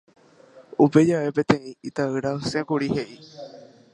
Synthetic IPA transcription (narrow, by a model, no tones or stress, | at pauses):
upe̞d͡ʒaʋe̞pẽ̞t̪ẽ̞ĩit̪aɨɾasẽkuɾihe̞ʔi